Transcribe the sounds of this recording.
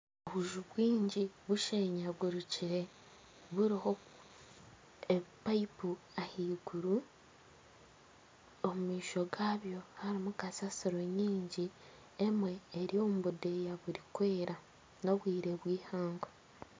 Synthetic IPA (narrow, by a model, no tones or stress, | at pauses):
oβuʒuβwiːɲɟiβuʃeːɲaβwuɾuciɾe̞ | βuɾiho̞ | eβpaipu | ahiːɡuɾu | omumiːʃo̞ɡaːβjo̞haɾimukasasiɾo̞ɲiːɲɟi | emwe̞ːɾiomuβude̞jaβuɾikwe̞ːɾʔa | no̞βwiːɾe̞βwiːhaːŋɡo